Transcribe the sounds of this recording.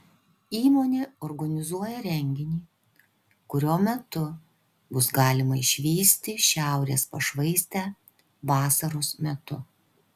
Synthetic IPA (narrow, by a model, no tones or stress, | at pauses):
iːmoːnʲeːɔːɾɡɐnʲɪzuɔjɛɾʲɛŋʲɡʲɪnʲiː | kʊɾʲoːmʲɛt̪ʊ | bʊsɡɑːlʲɪmɐɪʃʲʋʲiːsʲt̪ʲɪʃʲæˑʊɾʲeːspɐʃʋɐɪsʲt̪ʲæː | ʋɑːsɐɾosmʲɛt̪ʊ